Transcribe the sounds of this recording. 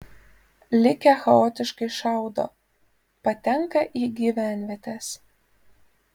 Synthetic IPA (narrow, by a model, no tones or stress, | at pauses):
lʲɪkʲɛxɐoːt̪ʲɪʃkɐɪʃɑˑʊd̪o̰ː | pɐt̪ʲɛŋkɐʔiːɡʲiʋʲæˑnʲʋʲiɛt̪ʲeːs